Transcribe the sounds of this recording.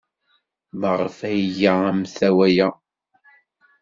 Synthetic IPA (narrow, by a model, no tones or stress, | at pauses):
məʁfæjjaæmθæwæja